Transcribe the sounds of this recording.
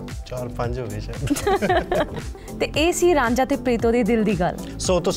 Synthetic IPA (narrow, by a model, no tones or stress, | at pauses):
t͡ʃaːɾpə̃ɲd͡ʒɦoːʋiːt͡ʃɛ | t̪eːʔeːsiːɾãːɲd͡ʒaːt̪eːpɾeːt̪oːd̪eːd̪ɪld̪iːɡəl | soːt̪o